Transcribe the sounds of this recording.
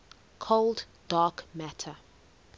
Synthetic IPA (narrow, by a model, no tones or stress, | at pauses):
kʰold | d̥ɑːˑkmætʰə